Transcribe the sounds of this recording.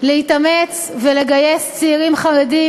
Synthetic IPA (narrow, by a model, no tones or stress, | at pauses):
lehit̪ame̞t͡s | vele̞ɡaje̞st͡seːʁimχaʁedi